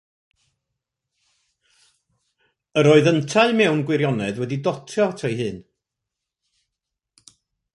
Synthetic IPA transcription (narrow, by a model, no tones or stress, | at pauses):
əɾoːɨðəntʰaɨmɛwnɡwɪɾjɔnɛðwɛdidɔtʰjɔtʰejɦɨːn